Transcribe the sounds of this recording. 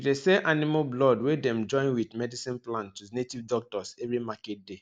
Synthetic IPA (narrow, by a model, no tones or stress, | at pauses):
idesɛʔanimablɔdwedɛ̃md͡ʒɔ̃ɪ̃nwidmɛdisĩnplãntːunetivdɔk̚tɔsɛvɹimaket̚de